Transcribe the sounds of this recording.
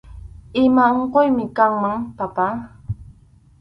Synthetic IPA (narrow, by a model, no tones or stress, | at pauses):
ɪmaɴqojmɪkaŋmaŋpapa